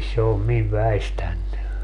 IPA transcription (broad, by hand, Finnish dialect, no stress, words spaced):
se om miʋ ʋæistænːy